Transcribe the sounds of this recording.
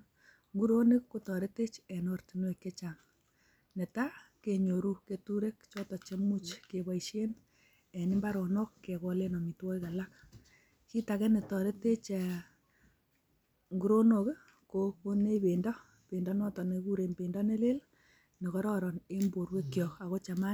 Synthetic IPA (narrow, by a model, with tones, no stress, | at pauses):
ŋɡu˦ɾo˦ne˦kko˦tɔ˨ɾe˦te˦t͡ʃɛ˨nɔ˦rti˨nwe˨kːe˦t͡ʃa˨ŋ | ne˨ta˦ke˨ɲo˨ɾu˦ke˨tu˦ɾe˦k̚t͡ʃɔ˦tɔ˨t͡ʃe˦mu˦t͡ʃke˨ba˨iʃe˦n | ɛ˨nɪ˦mba˦ɾɔ˨nɔ˦kːe˨kɔ˨le˦nɔ˨mi˨twɔ˦i˦ka˨lak | ki˦takɛ˦ne˨tɔ˨ɾe˦te˦t͡ʃɛ˨ | ŋɡu˦ɾo˦no˨k | koko˦ne˦be˨ndɔ˦ | pe˨ndɔ˦nɔ˦tɔ˨ne˨ku˦ɾe˨npe˨ndɔne˦le˦l | ne˨kɔ˦ɾɔːɾɔ˨ne˦mbo˨ɾwe˦kjɔ˨ka˨ko˦t͡ʃa˨ma˦